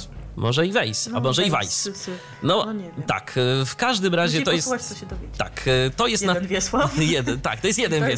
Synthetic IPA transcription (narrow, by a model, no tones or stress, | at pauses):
mɔʐɛivɛjsamɔʐɛiva̰js | nɔt̪a̰kfkaʐd̪ɘmɾaʑɛɔjɛsd̪ɔvʲjet̪a̰kt̪ɔjɛst̪nanvʲjɛswajɛd̪ɛt̪a̰kt̪ɔjɛst̪jɛd̪ɛnvɛ